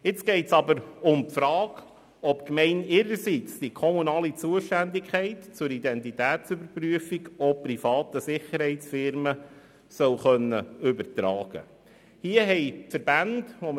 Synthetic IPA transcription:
ɪt͡sɡ̥ɛɪtsɑbəɾʊmpfɾɑːɡ̥ | ɔpkmɛɪnɪɾəɾsit͡sd̥ikʰɔmunɑːlit͡suəʃtændɪkχɛɪtt͡sʊɾid̪ɛntitæːtt͡sʏbəɾpɾyəfiɡɔprifɑːt̪əsɪχəɾhɛɪtsfɪɾmə | sœwχœnːəʏbəɾtɾɑːɡ̥ə̰ | hiəɦɛɪfəɾb̥ænd̥ʋɔm

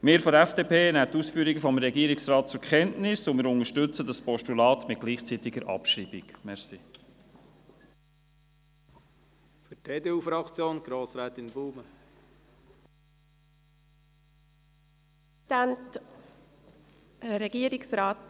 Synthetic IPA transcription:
mɪːɾfɔdɛfd̥eːpʰeːnæːtuːsfyːɾiɡəfɔmɾɛɡiːəɾɪksrɑːt̚t͡sʊɾkχɛntnɪsʊmɪːɾʊŋəʃtʏt͡sədɑspɔʃtulɑːt̪mɪt̚ɡ̥liːχt͡sit̪ɪɡəɾʔɑ̰pʃɾiːbikmɛɾsi | fʏteːd̪eufɾɑkt͡sjoːnɡ̥ɾoːsɾɛːt̪ɪnbuːmə | ænt | ɾɛɡ̥iːəɾɪksɾaːt

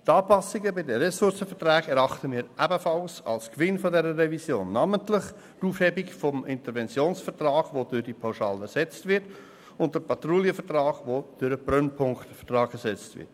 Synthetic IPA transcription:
tɑːpɑsiɡəbɪdəɾɛsʊɾsəfəɾtrɛːɡɛɾɑχtəmiːɾʔæbəfɑlsɑ̰lskʋɪnfɔdɛɾərɛvisjoːnːɑːməntlɪχ | tuːfhɛbikfɔmɪntəɾvɛnt͡sjoːnsfəɾtrɑːɡ̥ʋodʏɾdipʰaʊʃɑ̰ːlɛsɛt͡stvɪɾt | ʊnt̚d̥əpʰɑtruliəfətrɑːɡ̥ʋod̥øɾəprœnpʰʊŋktfə̥trɑːɡɛsɛt͡stvɪ̰t

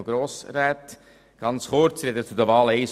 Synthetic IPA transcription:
ɡɾoːsɾæːt̪ | ɡ̥ɑnt͡sχʊɾt͡sɾɛd̪ət͡sud̪əvɑːlɛɪs

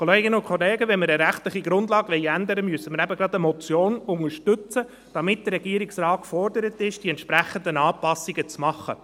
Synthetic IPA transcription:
kʰoleːɡɪnəʊnkʰχɔleːɡəʋɛnməɾəɾæχtlɪχiɡ̥ɾʊndlɑːɡ̥ʋɛɪænd̪əɾəmyəsːəməɾæbəɡɾɑd̪əmɔt͡sjoːnʊŋəʃtʏt͡sə | d̥ɑmɪt̚d̥ərɛɡiəɾiksɾɑːtkfɔrdəɾətɪʃd̥iɛntʃpɾæχəndənɑːpɑsːiɡət͡smɑχːə̰

